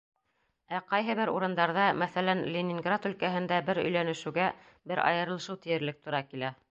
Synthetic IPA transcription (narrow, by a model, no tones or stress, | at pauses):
æqɑjɦɤ̆βɘɾṵɾɤ̆nd̪ɑɾðɑmæθælænlʲɪnʲɪŋɡrat̪ɵ̆lkæɦɘ̆nd̪æbɘɾɵ̰̆jlænɘ̆ʃʉɡæ | bɘɾʔɑ̰jɤ̆ɾɤlˠɤ̆ʃɤwt̪ĭjɘ̆ɾlɘk̚t̪ŏɾɑkilæ